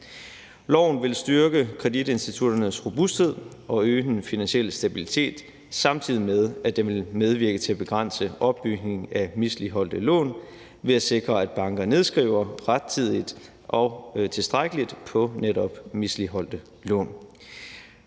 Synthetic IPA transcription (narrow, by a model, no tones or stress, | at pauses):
lɒʊ̰n̩ʋe̝lsd̥ɶɐɡ̥əkʰʁɛd̥ide̝nsd̥it͡sʰud̥ɐnəsʁob̥usd̥he̝ð̞̰ˠʔɒ̽øːd̥enfinænsiel̰sd̥æb̥ilit͡sʰe̝̰ːd̥ | sɑ̈mt͡sʰið̞̰ˠimeð̞ˠæd̥enʋe̝lmeð̞ˠʋiɐɡ̥ət͡sʰe̝æb̥e̝ɡ̥ʁan̰səɒ̽b̥ːyɡ̥ne̝ŋ̩æmisliɦɒ̽l̰d̥əlɔ̰̽ːn | ʋe̝æse̝ɡ̥ʁɐæd̥b̥ɑ̈ŋɡ̥ɐne̝ð̞ˠsɡ̥ʁḭʊ̰ɐʁad̥̚t͡sʰið̞̰ˠid̥ | ʔɒ̽t͡sʰe̝sd̥ʁaɡ̥əlid̥pʰɒ̽neɾɒ̽b̥misliɦɒ̽l̰d̥ə | lɔ̰ːn